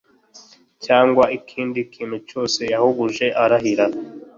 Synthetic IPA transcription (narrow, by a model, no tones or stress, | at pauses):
caːŋɡwaikʰiːndikʰiːn̤ut͡ʃo̞ːse̞jahuɡuʒe̞ʔaɾaɦiɾa